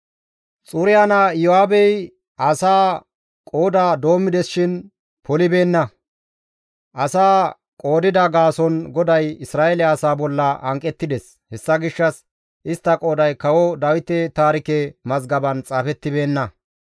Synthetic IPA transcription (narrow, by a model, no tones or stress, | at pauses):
t͡sʼʊɾɪjanɐjɔaːbɛj | ɐsaː | kʼo̞ːd̪aːd̪o̞ːmːɪd̪ɛsʃɪn | pʰɔlɪbe̞ːnːɐ | ʔɐsaː | kʼo̞ːd̪ɪd̪ɐɡaːsɔnɡɔd̪ɐjɪsɾaːɛlɪɐsaːbɔlːɐʔɐŋkʼːɛt̪ːɪd̪ɛs | hɛsːɐɡɪʃːɐs | ʔɪst̪ːɐkʼo̞ːd̪ɐjkɐwɔd̪ɐwɪt̪ɛt̪aːɾɪkɛmɐzɡɐbɐnt͡sʼaːfɛt̪ːɪbe̞ːnːɐ